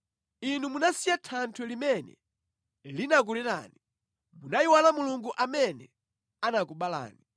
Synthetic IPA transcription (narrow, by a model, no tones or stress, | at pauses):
inumunasijatʰantʰwɛlimɛnɛ̰ | linak̬ulɛɾa̰ni | munaiwalamuluŋɡuʔamɛnɛ | anak̬uɓala̰ːni